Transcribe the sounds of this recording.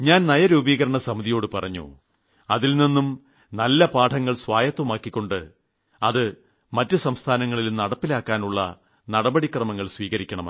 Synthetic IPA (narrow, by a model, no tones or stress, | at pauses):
ɲaːnnɐjɐɾuːbiːɣɐɾɐɳɐsɐmiðijo̞ːɽɨpɐrɐɲːṵ | ɐðilninːum | nɐlːɐpaːʈʰɐŋːɐɭswaːjɐt̪ːwɐmaːkːikʲːo̞ɳɖɨ | ɐðɨ | mɐtːɨsɐmst̪ʰaːnɐŋːɐɭilunɐɽɐpːilaːkːaːnuɭːɐ̰ | nɐɽɐbɐɽikrɐmɐŋːɐɭsʋiːɣɐɾikʲːɐɳɐmɐ